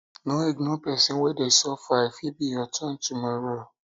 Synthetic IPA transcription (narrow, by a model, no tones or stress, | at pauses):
nõiɡnõpɛsĩwɛdesɔfaifibijɔtʰɔ̃ntumɔɾo